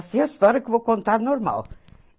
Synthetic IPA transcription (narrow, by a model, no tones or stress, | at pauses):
siɐst̪ɔɾiɐkɨvowkõnt̪aɾnoɾma̰lˠ